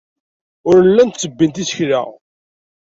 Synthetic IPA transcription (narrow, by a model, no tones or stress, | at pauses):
ʊɾəlːænt̪t͡sːəbːint̪isə̥çɾa̰ʁ